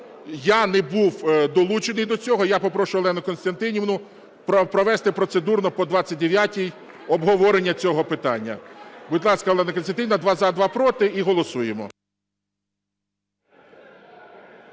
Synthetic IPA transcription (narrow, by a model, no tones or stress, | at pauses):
janɛbuwd̪ɔlˠut͡ʃenɪjd̪ɔt͡sʲɔɦɔjapɔpɾɔʃʊʋlˠɛnʊkɔnst̪ɐnt̪ɪnʲiʋnʊ | pɔpɾɔʋɛst̪ɪpɾɔt̪sed̪urnɔpɔd̪ʋɑt͡sʲːɐt̚ʲd̪eʋʲjatʲij | ɔbɦɔʋɔɾenʲːɐt͡sʲɔɦɔpɪt̪ɑnʲːɐ̰bʊd̪ʲlˠɑskɐɔlˠɛnɐkɔnst̪ɐnt̪ɪnʲɐd̪ʋɑzɐd̪ʋɑpɾɔt̪ɪiɦɔlˠɔsujemɔ̰